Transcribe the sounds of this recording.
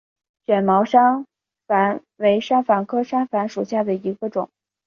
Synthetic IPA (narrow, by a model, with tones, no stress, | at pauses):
ɕɥɛ˨˩nmɑ˧˥ʊʂa˥ŋ | fa˧˥n | we˧˥ɪʂa˥nfa˧˥ŋkʰɤ˥ʂa˥ŋfa˧˥nʂu˨˩ɕja˥˩d̪ə˩i˧˥ɡə˧ʈ͡ʂʊ̰˨˩˦ŋ